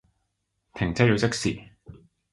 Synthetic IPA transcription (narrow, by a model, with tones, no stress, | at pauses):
t̪ʰɪ˨˩ŋt͡sɛ˥ji˨˧t͡sɪ˥k̚siː˨˩